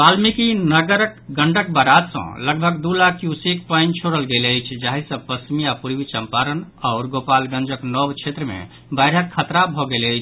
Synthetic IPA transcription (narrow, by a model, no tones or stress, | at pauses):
balmikinəɡəɾəkɡəɳɖək̚bəɾad̪sə̰̃ləɡbʱəɡd̪ulakjusik̚paəɪnt͡ʃʰoɾəlɡeləjt͡ʃʰd͡ʒaɦisə̃pəsmijapuɾbit͡ʃəmpaɾənɔʊɾɡopalɡə̃nd͡ʒəknɔbt͡ʃʰet̪ɾəmḛ | bajɾɦəkʰːət̪ɾabʱɔɡeləjt͡ʃʰ